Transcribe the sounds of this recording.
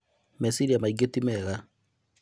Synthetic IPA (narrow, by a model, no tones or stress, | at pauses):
mɛsiɾiamaiɡetimɛɣa